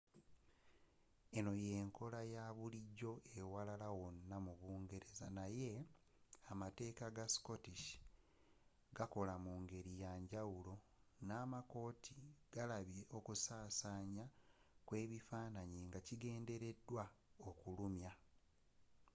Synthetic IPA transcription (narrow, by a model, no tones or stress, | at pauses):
e̞no̞je̞ːŋko̞lajaβuliɟo̞ewalalawonːamuβuːŋɡe̞ɾe̞za̰naje̞ | amate̞ːkaɡasi̥ko̞tiʃi̥ | ɡako̞lamuːŋɡe̞ɾijaːɲɟawulo̞ | naːmako̞ːtʰiɡ̥alaβje̞ʔo̞kusaːsaːɲakwe̞ːβifaːnaɲiːŋɡaciɡe̞ːnde̞ɾe̞dːwaokulumja